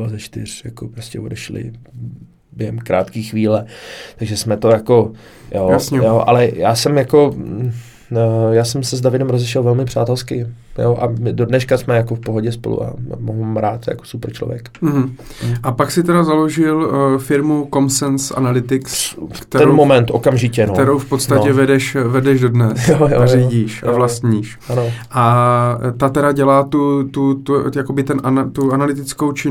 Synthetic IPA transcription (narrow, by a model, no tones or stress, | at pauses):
azɛʃt̪ɪr̝̥jakopɾoscʲɛodɛʃlɪ̰ | bjɛɦɛmkɾa̰ːt̪kiːxvʋiːlɛt̪aɡʒɛsmɛt̪o̞jako̞ | joːjasɲɛjoʔa̰lɛjaːsɛmjako̞ | jaːsɛmsɛzdavɪdɛmɾozɛʃɛlvɛlmɪpr̝̥aːt̪ɛlskɪjoʔamɪdo̞dnɛʃkasmɛjakofpoɦoɟɛspolṵʔa̰moɦumɾaːt̪ja̰ko̥supɾ̩t͡ʃlovjɛkm̩ɦm̩ʔapaksɪt̪ɛdazaloʒɪlfɪɾmuko̞msɛnsʔa̰nalɪt̪ɪkskt̪ɛɾɛomomɛnt̪ʔokamʒɪcɛnt̪ɛɾowfpot̪sacɛvɛdɛʃvɛdɛʒdo̞dnɛsjojoaziːɟiːʃʔavlast̪ɲiːʃʔanoʔa | t̪at̪ɛɾaɟɛlaːt̪ut̪ut̪ujakobɪt̪ɛnʔanat̪uanalɪt̪ɪt͡skowt͡ʃɪ